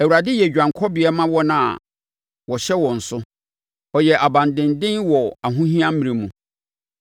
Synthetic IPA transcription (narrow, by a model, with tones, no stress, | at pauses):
æ˨wu˨ɾa˨dɪ˦jɛ˨d͡ʑᶣã˨ŋ˨kʰɔ˦bɪ˨ɛ˦mã˦wɔ˦nã˦˨a̰˨ | wɔ˨ɕɛ˦wɔ̃˨n̩˨sʊ˦ | ɔ˨jɛ˨ʔa˨bã˨ndɪ̃˨ndɪ̃˦nwɔ˨a˨ɦũ˦ɦĩ˦ã˦m̩˦mĩ˨ɾe˨mũ˨